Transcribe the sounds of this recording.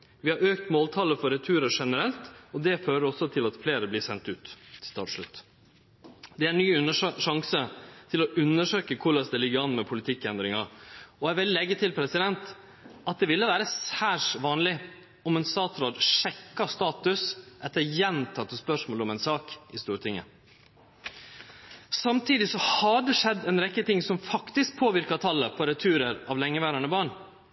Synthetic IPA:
ʋɪhɑɾøːk̚t̪moːlt̪ʰɑːləfɔɾɛt̪ʰʉːɾəʂɛnəɾɛlt̪ɔd̪ɛføːɾəɾɔsːɔt̪ʰɪlɑt̪fleːɾəblɪːsɛnt̪ʉːt̪t̪ʰɑ̰ːʂɭʉ̰t̪ː | d̪ɛæɾnyːʉnəʂʂɑŋsət̪ʰɪlɔʉnːəʂøːkəkʰʊɭɑsd̪ɛlɪɡːəɾɑnmɛpʰʊlɪt̪ʰɪkːɛnd̪ɾɪŋɑɔæʋɪllɛɡːət̪ʰɪlpʰɾɛsɪd̪ɛnt̪ | ʔɑt̪̚d̪ɛʋɪlːəʋæːɾəsæːʂʋɑːnlɪ | ɔmɛnst̪ɑːt̪ɾoːd̪ʂɛkːɑst̪ɑːt̪ʉsʔɛt̪ːəɾjɛnt̪ʰɑt̪ːəspœʂmoːlɔmɛnsɑːkɪst̪uːɾt̪ʰɪŋə̰ | sɑmt̪ʰiːd̪ɪsɔhɑɖɛʂɛd̪ːɛnɾɛkːət̪ɪŋsɔmfɑkt̪ɪsk̚pʰoːʋɪɾkɑt̪ʰɑlːəpʰɔɾɛt̪ʰʉːɾəɾɑʋlɛŋːəʋæːɾɑɳəbɑɳ

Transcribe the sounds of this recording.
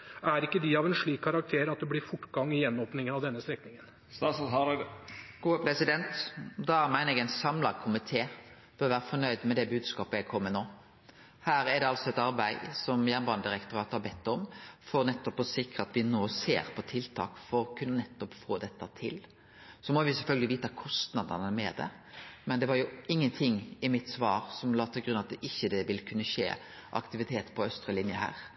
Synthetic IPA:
æɾɪkːəd̪ɪɑʋɛnʂɭiːkʰːɑɾɑkt̪ʰeːɾɑt̪̚d̪ɛblɪɾfʊʈːɡɑŋːɪjɛnːoːpnɪŋənɑʋd̪ɛnːəst̪ɾɛknɪŋən | st̪ɑsɦɑɾɡ̥uːəpʰɾɛsɪd̪ɛnt̪d̪ɑæmæɪnəɛɡæɪnsɑmlɑɡkʰʊmɪt̪ʰeː | b̥øːɾʋæːɾəfɔɳœʏd̪mɛd̪ɛbʉːd̪skɑːpəɛɡkʰɔmːənoː | hæːɾæɖ̪ɛɑlsɔɛt̪ɑɾbæɪsɔmjæːnbɑnd̪ɪɾɛkt̪ʊɾɑːt̪hɑbɛt̪ːɔmfɔɾnɛt̪ːɔpɔsɪkɾəɑt̪ʋɪnoːsḛːɾpʰɔt̪ʰɪlt̪ʰɑ̰ːkfɔɾɔkʰʉnːənɛt̪ːɔpfoːd̪ɛt̪ːət̪ʰɪl | sɔmɔʋɪsɛlfœlɡəlɪʋiːt̪ɑkʰɔst̪nɑd̪ənəmɛd̪ɛ̰ | mɛnd̪ɛʋɑɾjʊɪŋːənt̪ʰɪŋːɪmɪt̪sʋɑːɾsɔmlɑːt̪ʰɪlɡɾʉnːɑt̪̚d̪ɛʔɪçːəd̪ɛʋɪlkʰʉnːəʃḛː | ʔɑ̰kt̪ɪʋɪt̪ʰeːt̪pʰɔœst̪ɾəlɪnjəhæ̰ːɾ

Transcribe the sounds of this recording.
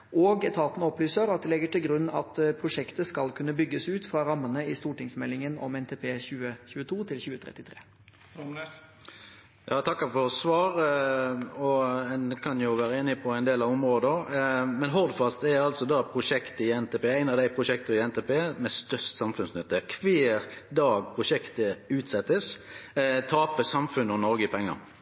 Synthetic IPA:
ʔoːɡt̪ʰɑːt̪nəɔplyːsəɾɑt̪̚d̪ɛlɛɡːəʈɪlɡɾʉnːɑ̰t̪pʰɾʊʂɛkt̪əskɑlkʰʉnːəbʏɡːəsʉːt̪fɾɑɾɑmːənəɪst̪uːʈɪŋsmɛlːɪŋənɔ̰mɛnt̪ʰeːpʰeːçʉːəçʉːət̪ʰuːt̪ʰɪlçʉːət̪ʰɾɛ̰t̪ːɪt̪ʰɾeː | jʔɑːt̪ʰɑkːəfɔʁsʋɑːɾ | ɔɛnkʰɑnjʊʋæːɾəeːnɪpʰɔæɪnd̪eːlɑʋʊmʁoːd̪əɑmɛnɦɔʁd̪fɑst̪ɛɑlsɔd̪ɑpʰɾʊʂɛkt̪əɪɛnt̪ʰeːpeːæɪnɑʋd̪æɪpʰʁʊʃɛkt̪əɪɛnt̪eːpʰeːmɛst̪œst̪sɑmfʉnsnʏt̪ːəkʰʋeːɾd̪ɑːɡpʰʁʊʂɛkt̪əʉːt̪sɛt̪ːəs | t̪ʰɑːpəsɑmfʉnɔnɔɾɡəɪpʰɛŋːə̰ʁ

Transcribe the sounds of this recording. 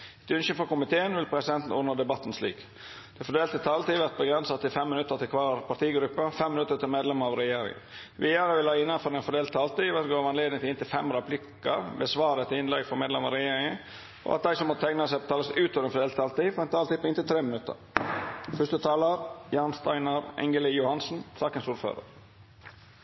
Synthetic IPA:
t̪ʉnʃəfɔɾkʊmɪt̪ʰeːənʋɪlpʰɾɛsɪd̪ɛnt̪n̩ɔɖ̪nəd̪ɛbɑt̪ːnslḭːk | d̪̥ɛfɔɖ̪eːlt̪ət̪ʰɑːlt̪iːʋɛt̪̚bəɡɾɛnsɑt̪ɪfɛmːɪnʉt̪ːəɾt̪ʰɪlkʰʋɑːɾpʰɑʈ̪iːɡɾʉpːəfɛmːɪnʉt̪ːəɾt̪ɪlmeːd̪lɛməɑʋɾɛjeːɾɪ̰ŋə̰ | ʋeːæɾəʋɪlhɑːɪnːɑfɔɾɛnfɔɖ̪eːlt̪ʰːɑːlt̪iʋət̪ɡoːɾʋɑnleːd̪nɪŋt̪ɪnt̪ɪlfɛmɾɛpʰlɪkːəɾbɛsʋɑːɾət̪ʰɪɪnlɛɡfɔmeːd̪ɛmɑɾɛjeːɾɪŋə | ʔɔ̰ʔɑt̪̚d̪æɪsɔmɔt̪ət̪ʰæɪŋnɑsɛɪpɔt̪ɑləsʉːt̪ɔʋɾɛnfɔdeːlt̪ʰɑlt̪iːfɔɾɛnt̪ʰɑːlt̪iːpɔɪnt̪ɪlt̪ʰɾeːmənʉt̪ə̰ɾ | fʏʂt̪ət̪ʰɑːlɑɾjɑːnst̪æɪnɑɾɛ̰ŋɡəlɪjʊhɑnsn̩sɑːkənsuːɾfø̰ːɾə̰ɾ

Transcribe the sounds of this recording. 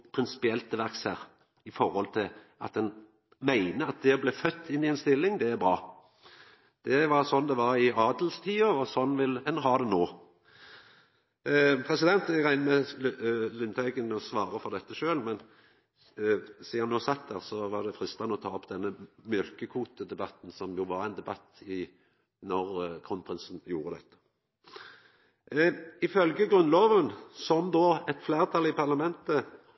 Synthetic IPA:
pʰɾɪnsɪ̥pɪɛlt̪ːəʋæʁkshæːʁ | ɪfɔɾhɔlt̪ʰɪl | ʔɑ̰t̪̚d̪ɛn | mæɪnəɑt̪̚d̪ɛɔblæfœt̪ʰːɪnːɪɛnst̪ɪlːɪŋd̪ɛæɾbɾɑː | d̪̥ɛʋɑɾsɔnːd̪ɛʋɑɾɪɑːd̪lst̪ʰiːɑɔsɔnːʋɪlɛnːɦɑʁd̪ɛnoː | pʰʁɛsɪd̪ɛnt̪ɛɡʁæɪnəmɛ | lʏnt̪ʰœʏɡənɔsʋɑːɾəfɔʁd̪ɛt̪ːəʃøːlmɛn | siːɑnoːsɑt̪̚d̪æːʁsɔʋɑʁd̪ɛfʁɪst̪ɑnəɔt̪ʰɑːɔpd̪ɛnːəmjœlkəkʰuːt̪əd̪ɛbɑt̪n̩sɔmjʊʋɑɾæɪnd̪ɛbɑt̪ːɪ | nɔʁkʰʁʊnpʰʁɪnsn̩juːʁəd̪ɛ̰t̪ːə̥ | ɪfœlɡəɡʁʉnloːʋənsɔmd̪oːɛt̪fleːʁt̪ʰɑlɪpɑʁlɑmɛnt̪ə

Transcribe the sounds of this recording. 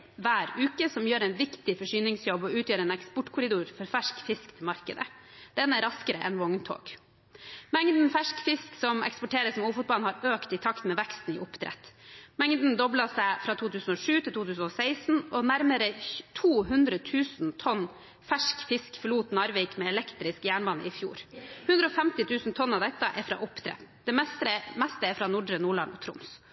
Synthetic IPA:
ʋæːɾʉːkəsɔmjøːɾæɪnʋɪkt̪ɪfɔʂyːnɪŋsjɔbɔʉːt̪jøːɾɛːnɛkspɔʈkʰʊɾɪd̪uːɾfɔɾfæʂkfɪskt̪ʰɪlmɑɾkə̰d̪ə̰d̪̥ɛnːæɾɑskəɾə̰ʔɛ̰nʋɔŋnt̪ʰo̰ːɡ̥ | mɛŋd̪n̩fæʂkfɪsksɔmɛ̰kspɔʈeːɾəsɔmuːfʊt̪̚bɑlhɑɾøːkt̪ɪt̪ʰɑkt̪mɛʋɛkst̪n̩ɪ̰ʔʊpt̪ʰɾɛ̰t̪ːmɛŋd̪n̩d̪ɔblɑsæɪfɾɑːt̪ʰuːt̪ʰʉːsn̩oːʂʉːt̪ʰɪlt̪uːt̪ʰʉːsn̩oːsæɪsn̩ɔnæɾməɾət̪ʰuːɦʉnd̪ɾət̪ʰʉːsn̩t̪ʰɔnː | fæʂkfɪskfəɭuːt̪nɑɾʋɛɪkmɛːlɛkt̪ɾɪskjæːɳbɑnə̰ɪfjṵːɾhʉnd̪ɾəɔːfɛmt̪ɪt̪ʰʉːsn̩t̪ʰɔnːɑʋd̪ɛt̪ːəʔɛɾfɾɑ̰ːʔʊpt̪ʰɾɛ̰t̪d̪̥ɛmɛst̪əmɛst̪əɛɾfɾɑːnʊɖɾənuːɭɑ̰nɔ̰t̪ʰɾʊ̰ms

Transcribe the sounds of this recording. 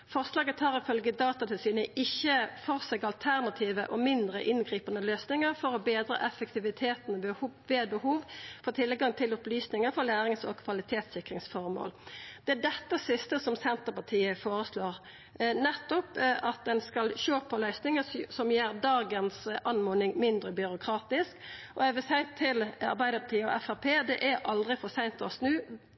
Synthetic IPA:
fɔʁslɑːɡət̪ʰɑːʁɪfœlɡəd̪ɑːt̪ɑt̪ʰɪlsiːnəʔɪçːəfɔʁsɛɡɑlt̪ʰæʁnɑt̪ʰiːʋəʔɔmɪnd̪ʁə̰ʔɪnɡʁiːpənəløːsnɪŋəʁfɔɾɔbeːd̪ɾə̰ʔɛfək̚t̪ɪʋɪt̪ʰeːt̪nʋeːbəhuːʋfɔʁt̪ʰɪlɡɑŋt̪ʰɪlʊplyːsnɪŋəfɔʁlæːɾɪŋsɔ̰ɡkʰʋɑlɪt̪ʰeːt̪sɪkʁɪŋsfɔʁmo̰ːld̪̥ɛæd̪ɛt̪ːəsɪst̪əsɔmsɛnt̪əpɑʈʰiːəfoːɾəsloːʁ | nɛt̪ːɔpʔɑt̪̚d̪ɛnskɑlʃoːpʰɔlœʏsnɪŋəsɔmjeːɾd̪ɑːɡənsʔɑnmoːnɪŋmɪnd̪ɾəbʏɾʊkʰɾɑːt̪ɪskʔɔɛʋəsæɪt̪ʰɪlɑ̰ɾbæɪd̪əpʰɑt̪ʰiːəɔ̰ɛfæʁpʰeːd̪ɛʔæɾʔɑld̪ʁɪfɔsæɪnt̪ɔsnʉː

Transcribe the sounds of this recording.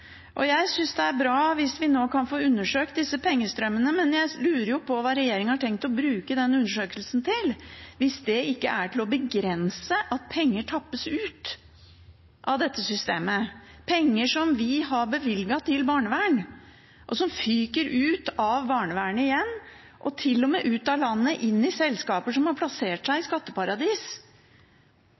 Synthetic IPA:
ʔɔjæɪsʏnsd̪ɛæɾbɾɑːʋɪsʋɪnoːkʰɑnfoːʉnːəʂøːkt̪̚d̪ɪsːəpʰɛŋːəst̪ɾœmːənəmɛnjæɪlʉːɾəɾjʊpʰɔʋɑːɾɛjeːɾɪŋəhɑʈʰɛŋk̚t̪ɔbɾʉːkəd̪ɛnʉnːəʂøːkəlsn̩t̪ʰɪlʋɪsd̪ɛɪkːəʔæʈʰɪlɔbəɡɾɛnsəʔɑt̪̚pʰɛŋːəʈʰɑpːəsʉːt̪ | ʔɑʋd̪ɛt̪ːəsʏst̪eːmə | pʰɛŋːəʂɔmʋɪɦɑɾbəʋɪlɡɑt̪ʰɪlbɑːɳəʋæːɳ | ʔɔsɔmfyːkəɾʔʉːt̪ɑʋbɑːɳəʋæːɳəɪjɛnː | ʔɔt̪ʰɪlːɔmɛːʔʉːt̪ɑlɑnːəʔɪnːɪsɛlskɑːpəʂɔmhɑɾpʰlɑseːʈʂæɪɪskɑt̪ːəpɑɾɑd̪iːs

